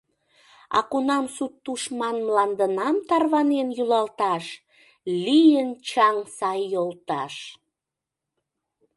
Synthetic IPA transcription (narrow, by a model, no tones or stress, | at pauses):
ɑ̰kunɑmsut̪ːuʃmɑnmlɑnd̪ənɑmt̪ɑrβɑnenjulɑlt̪ɑʃ | lijənt͡ɕɑŋsɑjːolt̪ɑʃ